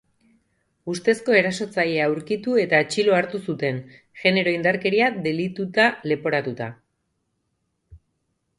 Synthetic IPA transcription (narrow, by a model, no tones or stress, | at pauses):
ust̪e̞sko̞e̞ɾaso̞t͡sajeauɾkit̪ue̞t̪aet͡ʃilo̞aɾt̪usut̪e̞n | ʝe̞ne̞ɾo̞ind̪aɾke̞ɾiad̪e̞lit̪ut̪ale̞po̞ɾat̪ut̪a